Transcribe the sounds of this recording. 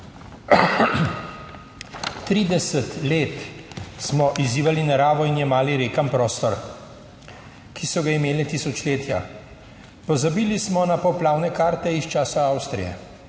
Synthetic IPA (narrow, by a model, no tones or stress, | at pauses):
t̪ɾiːd̪ɛsət̪leːt̪smɔʔiziːʋalinaɾaːʋɔinjɛmaːliɾeːkampɾɔːst̪ɔɾ | kʰisɔɡaimeːlɛt̪isɔt͡ʃleːt̪ja̰ | pɔzabiːlismɔnapɔplaːwnɛkaːɾt̪ɛist͡ʃaːsaawst̪ɾijɛ̰